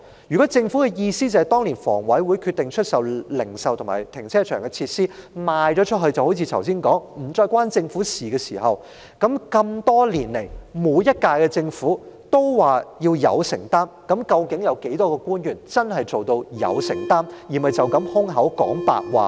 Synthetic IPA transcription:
jyː˨˩kɔ˨˦˥t͡sɪ˧ŋfu˨˥kɛ˧jiː˧siː˥t͡sɐ˨hɐ˨˩t̪ɔː˥ŋliː˨˩nfɔ̰ː˨˩ŋwɐ˨˥jwuː˨˧jkʰyː˧t̪ːɪ˨ŋt͡ʃʰɵ˥t̚sɐ˨wlɪ˨˩ŋsɐ˨wt̪ʰʊ˨ŋma̰ː˨˩jt̪ʰɪ˨˩ŋt͡sʰɛː˥t͡ʃʰœː˨˩ŋkɛ˧t͡sʰiː˧t̚siː˥maː˨jt͡ʃɔː˨˥t͡ʃʰɵ˥t̚ɦɵ˧ɥt͡sɐ˨who˨˥wt͡sʰi˧t̪ʰɐ˨˩ws̬iː˥nkɔː˨˥ŋm̩˨˩t͡ʃɔː˧jkʷwaː˥nt͡sɪ˧ŋfuː˨˥siː˨˩kɛː˧siː˨˩hɐ˨w | kɐ˨˥mkɐ˧mt̪ɔː˥liː˨˩nle˨˩jmuː˨˧˥jjɐ˥t̚kaː˧jkɛ˧t͡sɪ˧ŋfuː˨˥t̪o˥wwaː˨jiː˧wjɐ̰˨˧wsɪ̰˨˩ŋt̪aː˥mkɐ˨˥mkɐ˧wkɪ˨˥ŋjɐ˨˧wke˨˥jt̪ɔː˥kɛː˧kuː˥njyː˨˩nt͡sɐ˥nɦɐ˨jt͡so˨wt̪o˧wjɐ̰˨˧wsɪ̰˨˩ŋt̪aː˥mji˨˩mɐ˨jt͡sɐ˨wkɐ˨˥mhʊ˥ŋɦɐ˨˥wkɔ̰ː˨˥ŋpa̰ː˧k̚wa̰ː˨˩

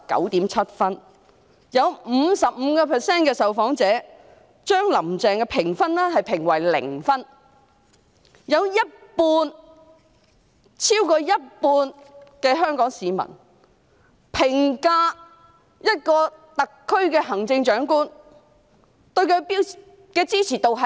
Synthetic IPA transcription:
kɐ̰˨˥wt̪iː˨˥mt͡sʰɐ˥t̚fɐ˥n | jɐ˨˧wm̩ː˨˧sɐ˨p̚m̩ː˨˧kɔː˧pʰɛ˨sɛː˥nkɛː˧sɐ˨wfɔː˨˥ŋt͡sɛː˨˥ | t͡ʃœː˥ŋlɐ˨˩mt͡sɛː˨ŋkɛː˧pʰɪ˨˩ŋfɐ˥nlɛ˥ɦɐ˨jpʰɪ˨˩ŋwɐ˨˩jlɪ̰˨˩ŋfɐ˥n | jɐ˨˧wjɐ˥t̚puː˧n | t͡sʰiː˥wkɔː˧jɐ˥t̚puː˧nkɛː˧ɦœː˥ŋkɔː˨˥ŋsiː˨˧mɐ̰˨˩n | pʰɪ˨˩ŋkaː˧ | jɐ˥t̚kɔː˧t̪ɐ˨kʰːɵ˥ɥkɛː˧ɦɐ˨˩ŋt͡sɪ˧ŋt͡ʃœː˨˥ŋkuː˥n | t̪ɵ˧ɥkʰɵ˧ɥpiː˥w | kɛː˧t͡siː˥t͡sʰiː˨˩t̪o˨wɦɐ˨

